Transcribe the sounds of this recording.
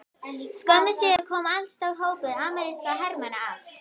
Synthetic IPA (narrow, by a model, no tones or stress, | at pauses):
skœmɪsikʰɔːmanst̪awɦowpʏðaːmaɾɪskaɦɛɾmanaaːv